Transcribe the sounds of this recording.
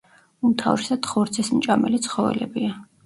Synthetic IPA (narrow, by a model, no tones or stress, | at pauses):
umt̪ʰa̰vɾɛsat̪χɔɾt̪sʰɛsmt͡ʃʼamɛlit̪sʰχɔvɛ̰lɛbia